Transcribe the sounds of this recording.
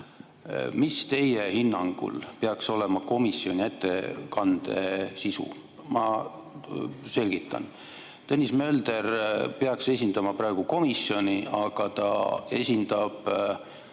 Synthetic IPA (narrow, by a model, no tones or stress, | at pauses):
mist̪e̞jehinːɑŋɡ̥ṵlpeɑkso̞le̞mɑko̞misjio̞nʲie̞t̪ːekɑnd̪̥e̞̰sisṵ | mɑ | se̞lʲɡ̥it̪ːˑɑ̰n | t̪enʲismø̞ld̪e̞rpeɑkse̞sʲind̪ɑmɑpɾɑeɡ̥uko̞misːjo̞nʲiʔɑɡ̥ɑt̪ɑ̰e̞sʲind̪ɑb̥